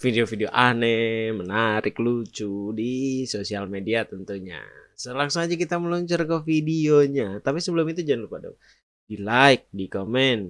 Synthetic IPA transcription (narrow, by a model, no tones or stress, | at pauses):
fideofideoʔanemənaɾɪklut͡ʃudisosialmediat̪ənt̪uɲa̰səlaŋsaŋad͡ʒakit̪aməlɔɲt͡ʃərkəfidioɲat̪apisəbəlʊmit̪ud͡ʒanlpada̰ | dilaɪk̚dikomɛn